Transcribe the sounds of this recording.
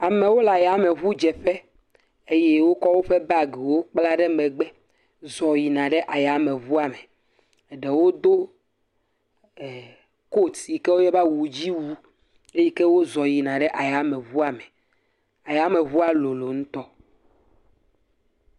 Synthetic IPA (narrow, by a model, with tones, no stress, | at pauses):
a˨mẽ˨wo˦la˨ja˨me˨βu˦d͡ʒɛ˨ɸe˦ | e˦je˦wo˦kɔ˦wo˦ɸe˦ba˦˨ɡe˨wo˦k͡pla˦ɖe˦mɛ̃˨ɡ͡be˦ | zɔ˨ji˨nã˨ɖe˦ʔa˨ja˨mẽ˨βu˦a˨me˨ | ɖe˨wo˦d̪o˦˨ | ko˦t̪si˨ke˦wo˦jɛ˦ba˦wu˨d͡ʑi˦wu˦ | e˦jɛ˦ke˦wo˦zɔ˨ji˨nã˨ɖe˦ʔa˨ja˨˦mẽ˨βu˦a˨me˨ | a˨ja˨˦me˨βu˦a˦lo˨lo˨ŋũ˦t̪ɔ˦